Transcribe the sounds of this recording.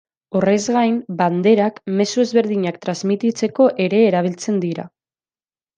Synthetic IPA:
o̞re̞zɣajmband̪e̞ɾakme̞sue̞zβe̞ɾðiɲakt̪ɾazmit̪it͡se̞ko̞ʔe̞ɾe̞ːɾaβ̞ilt͡se̞nd̪iɾa̰

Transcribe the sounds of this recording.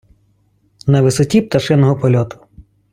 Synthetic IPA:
nɐʋɪsɔtʲip̚t̪ɐʃɪnɔɦɔpɔlʲɔt̪ʊ̥

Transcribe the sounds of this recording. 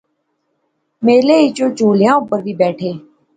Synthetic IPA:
meːleːit͡ʃõːt͡ʃuːljãːʊbəɾʋiːbɛːʈʰeː

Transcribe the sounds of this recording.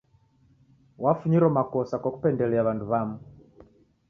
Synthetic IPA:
wafuɲiɾɔmakɔsakwaku̥pɛndɛlɛaβanduβamu

